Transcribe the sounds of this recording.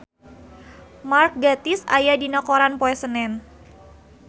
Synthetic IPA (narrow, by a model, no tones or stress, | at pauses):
mark̚ɡat̪iɪsa̰jadinɔkoɾanpoɛsənɛn